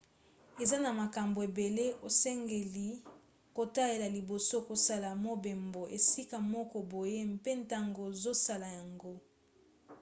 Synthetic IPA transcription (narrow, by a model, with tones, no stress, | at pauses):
e˨za˦na˨ma˨ka˨mbo˨e˨be˨le˦ʔo˨sɛ˦ŋɡe˨li˨ | ko˨ta˦e˨la˨li˨bo˨so˦ko˨sa˦la˨mo˦be˨mbo˨ʔe˨si˦ka˨mɔ˦kɔ˨bo˨je˦m˦pe˦nta˦ŋɡo˨zo˦sa˦la˨ja˨ŋɡo˦